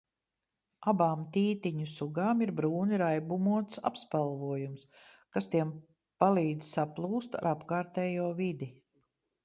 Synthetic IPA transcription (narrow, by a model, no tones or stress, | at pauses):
abaːmt̪iːt̪iɲusuɡaːmiɾbɾuːniɾajbumuɔt̪sa̰pspalˠvuɔjums | kast̪iɛm | palˠiːd̪zsaplˠuːst̪ɾapkaːɾt̪ɛːjuɔvid̪i